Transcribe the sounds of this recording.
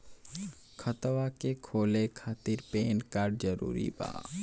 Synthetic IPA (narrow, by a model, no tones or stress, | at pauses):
kʰət̪ʋakekʰoːlekʰaːt̪iɾpeːnkaːɾɖ̚d͡ʒəɾṵːɾḭba̰ː